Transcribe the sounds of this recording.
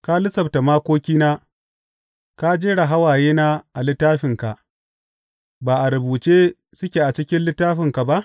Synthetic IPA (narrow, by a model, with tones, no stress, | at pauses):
ka˦lɪ˦sɐ˨bta˨maː˦kʷoː˦kʲiː˦naː˦ | ka˦d͡ʒeː˦ɽɐ˨ɦa˦waː˨jeː˦naː˦ʔa˨lɪ˦tːaː˦ɸɪ˨ŋka˨ʔ | baː˨ʔa˨ɾʊ˨buː˨t͡ʃeː˦ | sʊ˦kʲe˨ʔa˨t͡ʃɪ˦kʲɪ˦nlɪ˦tːaː˦ɸɪ˨ŋka˨ba˦ʔ